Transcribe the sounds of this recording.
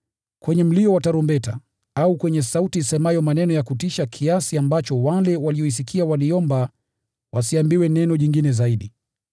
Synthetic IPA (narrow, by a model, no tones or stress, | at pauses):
kwɛɲɛm̩liɔwataɾɔmbɛta̰ | aukwɛɲɛsautisɛmajɔmanɛnɔjakutiʃakʰiasiambat͡ʃɔwalɛwaliɔis̬ikʰiawaliɔmba | wʔasiambiwɛnɛnɔʄiŋɡinɛzaiɗi